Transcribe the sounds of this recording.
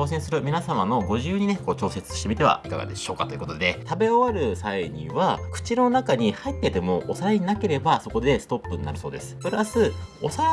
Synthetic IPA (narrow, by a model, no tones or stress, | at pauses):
o̞ːsẽ̞ɰ̃sɨɾɯ̟mʲinasamano̞ɡo̞ʑɨːɲ̟ineko̞ːt͡ɕo̞ːse̞t͡sɨ̥ɕi̥t̪e̞mit̪e̞βa̰ika̰ɡa̰d̪e̞̰ɕo̞ːka̰t̪o̞jɯ̟kot̪o̞d̪e̞t̪abe̞oβaɾɯ̟saiɲḭ̃βakɯ̟̥t͡ɕino̞nakaɲ̟ihait̪ːe̞t̪e̞mo̞ʔːsaɾaɲ̟inake̞ɾe̞baso̞ko̞d̪e̞sɨ̥t̪o̞pːɯ̟ɲina̰ɾɯ̟so̞ːd̪e̞sɨ̥pɯ̟ɾasɨosa